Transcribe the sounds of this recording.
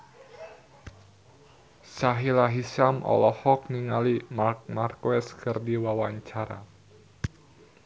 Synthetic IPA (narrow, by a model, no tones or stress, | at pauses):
saɦilaɦisamʔɔ̰lɔhɔk̚niŋalimak̚markwɛskʰərdiwawaɲt͡ʃaɾa̰